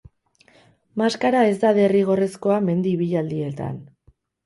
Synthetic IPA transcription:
maskaɾae̞zd̪aðe̞riɣ̞o̞re̞sko̞ame̞nd̪iβiʎald̪ie̞t̪a̰n

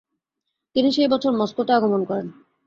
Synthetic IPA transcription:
t̪iniʃejbɔt͡ɕʰoɾmɔskot̪aaɡomonkɔɾen

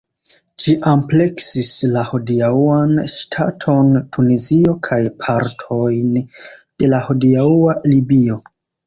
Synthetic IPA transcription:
ʃiʔample̞ksislahodiauanʃtʰatʰo̞ntʰunizio̞kʰajpʰaɾtʰo̞jnd̥e̞lahodiaualibio̞

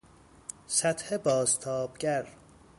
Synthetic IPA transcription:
sæt̪hebɒːzt̪ʰɒːb̥ɡæɾ

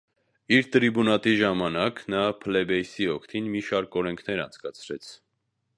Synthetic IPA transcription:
iɾt̪əɾibunɑt̪iʒɑmɑnɑknɑpʰəlɛbɛjsiɔkʰt̪ʰinmiʃɑɾkɔɾɛŋkʰnɛɾɑ̰nt͡sʰkɑt͡sʰɾɛt͡sʰ

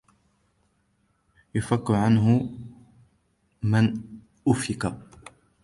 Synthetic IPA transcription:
jʊfakːʊʕanɦʊ | mɪn | ʔʊfɪqa

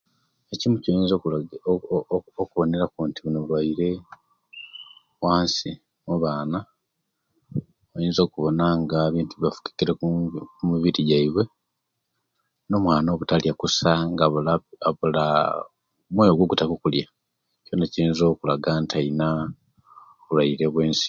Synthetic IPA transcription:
ecimuciiːnzo | okuβo̞ne̞ɾakuntiβunoβulwaiɾe̞ | waːnsi | muβaːna | ojiːnzo̞ːkuβo̞naŋɡaβiːntuβiβafu̥ki̥kiɾekumuβiɾiɟaiβwe̞ | no̞mwaːno̞ːβutaljakusaŋɡaβlaβula | mwojo̞ɡwoɡutakokulja | co̞naciɾiːnzo̞kulaɡantʰaina | oβulwaiɾe̞βwe̞ːnsi̥

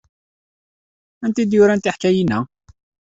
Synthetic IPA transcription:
ænt̪id̪jʊɾænt̪iħkæjinæ

